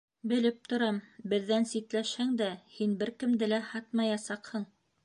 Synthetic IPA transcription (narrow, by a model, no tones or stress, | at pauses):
bɘ̆lɘp̚t̪ŏɾɑmbɘ̆ðːænsit̪læʃhæŋd̪æhinbɘɾkɘ̆md̪ɘlæhɑt̪mɑjɑsɑqhɤɴ